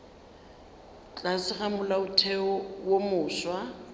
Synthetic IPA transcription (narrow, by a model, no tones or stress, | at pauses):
t͡ɬʼasɪχamʊlaʊtʰɛɔwomʊːswa